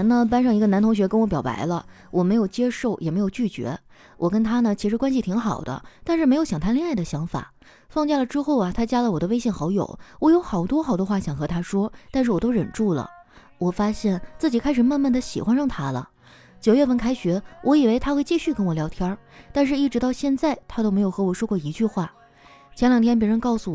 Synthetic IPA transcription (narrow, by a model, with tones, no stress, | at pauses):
nnə˨p̬a˥nʂɑ˥˩ŋi˧˥ɡə˧˥nt̪ʰʊ˧˥ŋɕɥɛ˧˥kə˥nwɔ˧˥pjɑ˨˩ʊpa̰˧˥ɪlə̰˧wɔ˨˩me˧˥ɪjo˨˩ʊt͡ɕjɛ˥ʂo˥˩ʊʔjɛ̰˨˩me˧˥ɪjo˨˩ʊt͡ɕy˥˩t͡ɕɥɛ̰˧˥ | wʔɔ˨˩kə˥nt̪ʰa˥nə˨t͡ɕʰi˧˥ʂ̬ɻ̩˧˥kwa˥nɕ̬i˧˩t̪ʰi˧˥ŋxɑ˨˩ʊd̪ə̰˦t̪a˥˧nʂɻ̩˥˩e˧˥ɪjo˧˥ʊɕɑ˨ŋt̪ʰa˥li˥˧ŋa˥˩ɪd̪ə˩ɕjɑ˧˥ŋfa̰˨˩˦ | fɑ˥˧ŋt͡ɕja˥˩lə˩ʈ͡ʂɻ̩˥xo˥˩ʊɐ˩t̪ʰa˥t͡ɕja˥lə˨wɔ˨˩d̪ə˦we˥ɪɕjɛ˥˩nxɑ˧˥ʊjo̰˨˩˦ʊwɔ˧˥jo˧˥ʊxɑ˨˩ʊt̪wɔ˥xɑ˨˩ʊt̪wɔ˥xwa˥˩ɕjɑ˨˩ŋxɤ˧˥t̪ʰa˥ʂwɔ˥t̪a˥˧nʂɻ̩˥˩wɔ˨˩t̪o˥ʊɻə˨˩nʈ͡ʂu˥˩lə̰˩ | wɔ˨˩fa˥ɕjɛ˥˩nt͡sɹ̩˥˩t͡ɕi˨˩kʰa˥ɪʂɻ̩˨˩ma˥˧nma˥˩d̪ə˩ɕḭ˨˩xwa˥nɻɑ˥˩ŋt̪ʰa˥lə̰˨ | t͡ɕjo˨˩ʊɥɛ˥˧fə˥˩nkʰa˥ɪɕɥɛ˧˥wʔɔ˧˥i˨˩we˥ɪt̪ʰa˥xwe˥˧ɪt͡ɕi˥˧ɕy˥˩kə˥nwɔ˨˩ljɑ˧˥ʊt̪ʰjɑ˥t̪a˥˧nʂ̬ɻ̩˥˧i˥˩ʈ͡ʂɻ̩˧˥t̪ɑ˥˧ʊɕjɛ˥˧nt͡sa˥˩ɪt̪ʰa˥t̪o˥ʊme˧˥ɪjo˨˩ʊxɤ˧˥wɔ˨˩ʂwɔ˥kwɔ˥˩i˧˥t͡ɕy˥˧xwa˥˩ | t͡ɕʰjɛ˧˥nljɑ˨˩ŋt̪ʰjɛ˥np̬ɛ˧˥ɻə˧˥nkɑ˥˩ʊsu˩w